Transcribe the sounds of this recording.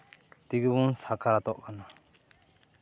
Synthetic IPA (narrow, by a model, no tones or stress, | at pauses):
t̪iɡɯbunsakʰaɾat̪ɔʔkana